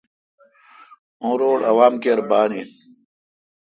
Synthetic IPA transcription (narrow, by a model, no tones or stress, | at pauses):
õːɾoːɽɐʋaːmkeːɾbaːniː